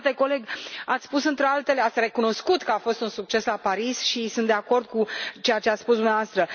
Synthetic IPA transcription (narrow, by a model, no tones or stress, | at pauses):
t̪e̞ko̞le̞ɡat̪sspusɨnt̪ɾealt̪e̞leat̪sʲre̞kuno̞skut̪kəafo̞st̪unsuk̚t͡ʃe̞slapaɾisʃisunt̪d̪e̞ako̞rd̪̚kut͡ʃejat͡ʃeat̪spusd̪umneavast̪ɾə